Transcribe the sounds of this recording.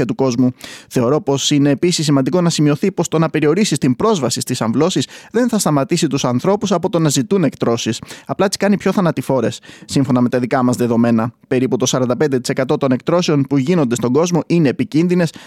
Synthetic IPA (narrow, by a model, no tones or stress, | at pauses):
ɐt̪uko̞zmuθe̞o̞ɾo̞po̞sine̞ːpisisːimɐnd̪iko̞nɐsimio̞θipo̞st̪o̞nɐpe̞ɾio̞ɾisist̪impɾo̞zvɐsist̪isɐɱvlo̞sisðe̞nθɐst̪ɐmɐt̪isit̪usɐnθɾo̞pusɐpo̞t̪o̞nɐzit̪une̞kt̪ɾo̞sisɐplɐt̪i̥skɐnipço̞θɐnɐt̪ifo̞ɾe̞sːiɱfo̞nɐme̞t̪ɐðikɐmɐzðe̞ðo̞me̞nɐpe̞ɾiput̪o̞sɐɾɐnd̪ɐpe̞nd̪et̪i̥se̞kɐt̪o̞t̪o̞ne̞k̚t̪ɾo̞se̞o̞npuʝino̞nd̪est̪o̞ɡo̞zmo̞ʔine̞ːpicinðine̞s